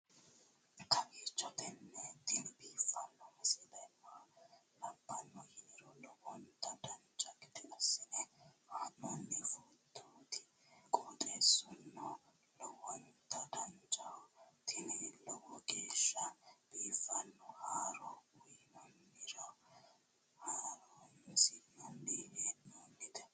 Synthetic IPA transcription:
kʰɐɡiːt͡ʃːɔt̪ɛnːɛt̪ɪnɪbiːfːɐnːɔmɐsɛd̪ɐmːalɐbːɐnːɔjɪnɪɾɔlɔwɔnt̪ɐd̪ɐnt͡ʃʼɐkɪt̪ɪnɐsːɪnɛhaɔnːɪfud̪uːt̪ɪ | kʼɔːt̪ʼeːsʊnːɔ | lɔwɔnt̪ɐd̪ɐnt͡ʃʼɐt̪ʰɪnɛlɔwɔɡeːʃːɐb̥iːfɐnːɔhaːɾɔwʊjnɔnːɪɾɔ | haːɾɔnːsinɔnːiheːnɔnːɪt̪ɐ̥

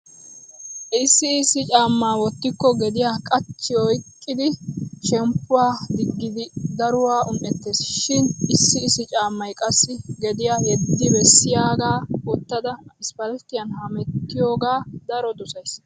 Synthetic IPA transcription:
ɪsːɪːsːɪt͡ʃʼaːmːaːwɔt̪ːɪkːɔɡɛd̪ɪjaːkʼɐt͡ʃːɪɔjkʼːɪd̪ɪʃɛmpːʊwaːd̪ɪɡːɪd̪ɪd̪ɐɾʊwaːʔʊnʔɛt̪ːeːsʃɪnɪsːɪːsɪt͡ʃʼaːmːɐjkʼɐsːɪɡɛd̪ɪjaːhɛd̪ːɪbɛsːɪjaːɡaːɔt̪ːɐd̪ɐɪspɐlt̪ːɪjɐnhɐmɛt̪ːɪjoːɡaːd̪ɐɾɔd̪ʊsɐjs

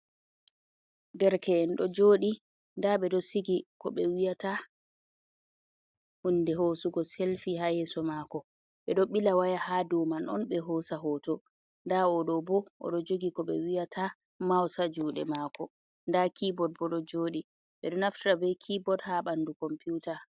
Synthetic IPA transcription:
dɛɾkɛɛnɗɔd͡ʒoːɗi | ndaɓɛɗɔsiɡikɔ̰ɓɛwijata | hundɛhosuɡɔselfihajɛsɔmaːkɔ | ɓɛɗɔɓilawajahadɔmanɔ̰nɓɛɦoːsaɦɔtɔ | ndaɔɗɔbɔʔɔ̰ɗɔd͡ʒoɡikɔɓɛwijatʰa | mawsad͡ʒuːɗɛ̰maːkɔ | ndakibɔd̚bɔɗɔd͡ʒoːɗi | ɓɛɗɔnaftabɛjkʰibɔdhaɓandukɔmpiuta

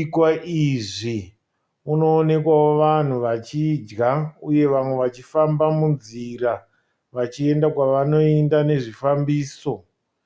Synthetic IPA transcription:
kwaʔiʐi | uno̞ːne̞kwaoʋan̤uʋat͡ʃid͡ʒɡauje̞ʋamwe̞ʋat͡ʃifambamunzira | ʋat͡ʃie̞ndakwaʋano̞iendane̞ʐifambiːso̞

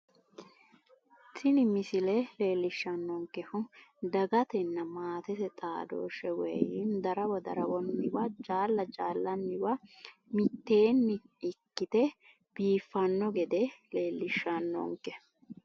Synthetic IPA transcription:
t̪ʰɪnɪmɪsɪlɛle̞ːlːɪʃːɐnːɔŋkːɛfʊd̪ɐɡɐt̪ɛnːɐmaːt̪ɛsɛt̪ʼaːd̪o̰ːʃɛwɛ̰jɪnd̪ɐɾɐwɔd̪ɐ̰ɾɐwɔnːɪwɐd͡ʒaːlːɐd͡ʒaːlːɐnːɪwɐmɪt̪ːe̞ːnːɪ | ɪkːɪt̪ɛ | b̥iːfːɐnːɔɡɛd̪ɛle̞ːlːɪʃːɐnːɔ̰ŋkɛ

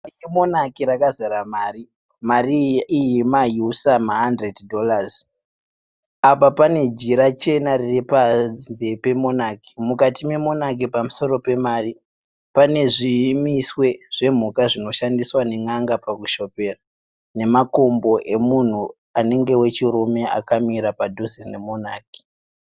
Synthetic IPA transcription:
emo̞nakiɾakazaɾamaːri | mariːjimajusamaɦandreddʱo̞laz | apapane̞d͡ʒiɾat͡ʃe̞nariripanepe̞mo̞naki̥mukatime̞mo̞nak̬ipamuso̞ro̞pe̞maːri | pane̞ʐimiswe̞ʐ̥e̞m̤ukaʐino̞ʃandiswane̞ŋaŋɡapakuʃo̞pe̞ra | ne̞mako̞mbo̞ʔe̞mun̤u | ane̞ŋɡe̞we̞t͡ʃiɾume̞a̰kamiɾapadʱozenemonaːki̥

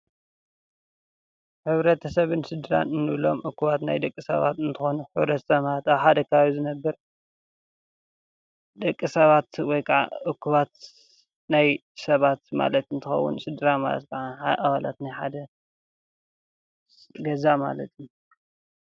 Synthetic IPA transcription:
ħɨβɾɐt̪ʰɐsɐβɨnsɨd̪ɨɾa̰nɨnːɨβlo̞̰mʔɨkːuβat̪na̰jd̪ɐkʼːisɐ̰βa̰t̪ɨnt̪ʰɨxonuħɨβɾɐt̪sɐmat̪aβħad̪ɐkʰɐβaβizɨnɐbːɐɾ | d̪ɐkʼːisɐβat̪wɔjkʰaʕa̰ʔɨkːuβat̪ | naj | sɐβat̪ma̰lɐt̪ɨnt̪ʰɨxɐ̰wːṵnsɨd̪ɨɾama̰lɐ̰t̪kʰɐʕaaʔaβala̰t̪najħad̪ɐ | ɡɐzama̰lɐt̪ʰju

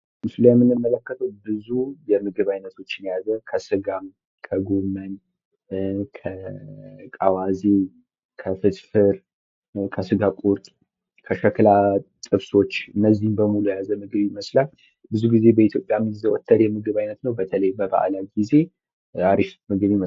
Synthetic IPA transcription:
mɨslajɛmːɨnːɨmːələkːət̪ʰəwbɨzujɛmɨɡɨβajnət̪ʰo̞t͡ʃːɪnjazəkʰəsɨɡam | kʰəɡomən | kʰə | kʼawaze | kʰəfɨt̪fɨɾ | kʰəsɨɡakʼuɾt̪ʼ | kʰəʃəkɨlat̪ʼɨβso̞t͡ʃːɨnːəzːihmbəmulujjazəmɨɡɨβiməslal | bɨzuɡize̞bəit̪ʰjo̞pʼːjamɨɡzəwot̪ʰːəɾjɛmɨɡɨβajnət̪nəwbət̪ʰələjbəba̰ʔlaɡize̞ | aɾiʃmɨɡɨβimə

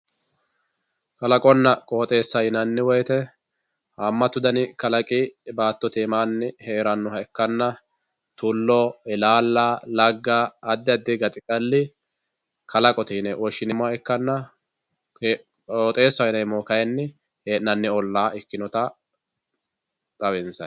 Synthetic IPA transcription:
kʼɐlɐkʼɔnːɐkʼoːt̪ʼe̞ːsːɐjnɐnːɪwɔjt̪ɛ | hɐmːɐt̪ːʊd̪ɐnɪkɐlɐkʼɪbaːt̪ːɔt̪emaːnːɪheːɾɐnːɔhɐɛkːɐnːɐ | t̪ʊlːɔɪlaːlːalɐɡːaːd̪ːɪɐd̪ːɪɡɐt̪ʼɪkʼɐlːɪ | kʰɐlɐkʼɔt̪ɪnɛʔwɔʃːɪnɪmɛkːɐnːɐ | kʼoːt̪ʼe̞ːsːɐwɪnɐjmɔːkɐjɛnːɪ | heːnɐnːɪɔlːaːɪkːɪnɔt̪ɐ | t̪ʼɐwɛnsɐ

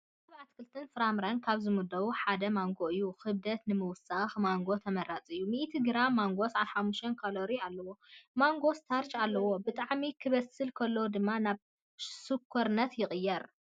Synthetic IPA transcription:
ɐβʕat̪kʰɨlt̪ʰɨnfɨɾamɾankʰaβzɨmud̪ɐwuħad̪ɐmaŋɡoʔɨjːuxɨβd̪ɐt̪nɨmɨwʊsaxmaŋɡo̞t̪ʰɐmɐɾat͡sʼɨjːumiʔt̪ʰiɡɨɾamːaŋɡo̞sʕanħamːuʃt̪ɐnkʰaloɾialːɐwo̞maŋɡo̞st̪ʰaɾt͡ʃalːɐwo̞bɨt̪ʼaʕmikʰɨβɐsɨlkʰɐlːod̪ɨmːanaβ | sɨkʰːoɾnɐt̪jɪxʼɨjːɐɾ

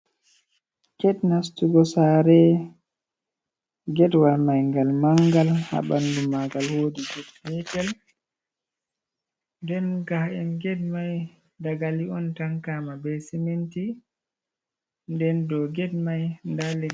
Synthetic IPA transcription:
kɛdnastuɡɔsaːɾɛ | ɡɛdwalmajŋɡalmaŋɡalha̰ɓandumaɡalhoːdiɡɔdbɛtɛl | ndɛnɡahɛnɡɛd̚maj | daɡaliɔntaŋkaːmabɛsiminti | ndɛndɔɡɛd̚majndalːɛ

